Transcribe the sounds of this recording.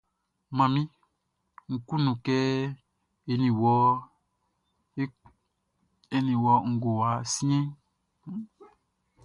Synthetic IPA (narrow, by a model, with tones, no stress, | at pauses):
mã˨mĩ˦ | ŋ̩˨ku˦nũ˨kɛ˦ | e˨nĩ˨wɔ˨˦ | e˦nĩ˨wɔ˨˦ŋ̩˨ɡo˨wa˨˦si˦ẽ˦